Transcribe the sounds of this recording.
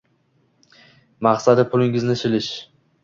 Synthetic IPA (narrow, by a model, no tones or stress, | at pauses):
maχsad̪ɪpʰʊlɪŋɪznɪt͡ʃʰɪlɪʃ